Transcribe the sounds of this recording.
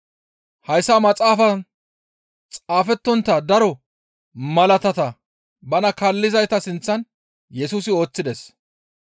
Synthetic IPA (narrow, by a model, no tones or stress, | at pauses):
hɐjsamɐt͡sʼaːfɐ | t͡sʼaːfɛt̪ːɔnt̪ːɐd̪ɐɾɔ | mɐlɐt̪ɐt̪ɐ | bɐnɐkɐlːɪzɐjt̪ɐsɪnt͡sːɐn | jɛsuːsɪo̞ːt͡sːɪd̪ɛs